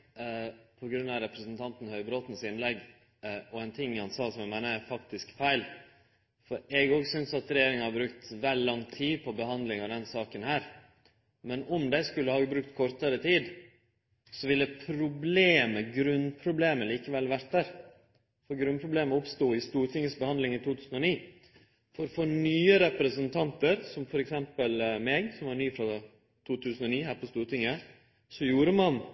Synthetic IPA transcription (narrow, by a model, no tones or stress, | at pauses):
pʰɔɡɾʉnːɑʋɾɛpɾəsənt̪ʰɑnt̪n̩hœʏbɾoːt̪n̩sɪnlɛɡː | ɔɛnt̪ʰɪŋːhɑnsɑːsɔmjæmæɪnəɾæfɑkt̪ɪskfæɪl | fɔɾɛɡoːɡsʏnsɑt̪ɾɛjeːɾɪŋɑhɑɾbɾʉkt̪ʋɛllɑŋt̪ʰiːpʰɔbəhɑnd̪lɪŋɑʋd̪ɛnsɑːkənhæːɾ | mɛnɔmd̪æɪskʉlːəhɑːɡbɾʉk̚t̪kʰɔɾt̪əɾət̪ʰiːd̪ | sɔʋɪlːəpʰɾʊbleːməɡɾʉnpʰɾʊbleːməliːkəʋɛlʋæɾt̪̚d̪æɾ | fɔɾɡɾʉnpʰɾʊbleːməɾʊpst̪uːɪst̪uːɾʈ̪ʰɪŋːəsbəhɑnd̪lɪŋɪt̪ʰuːt̪ʰʉːsənɔniː | fɔɾfɔɾnyːəɾɛpɾəsənt̪ʰɑnt̪əɾsɔmfɔɾɛksɛmpəlmɛːɡsɔmʋɑɾɳyːfɾɑ | t̪ʰuːt̪ʰʉːsən̩ɔniːhæːɾpɔst̪uːɾʈ̪ɪŋːə | sɔjuːɾəmɑn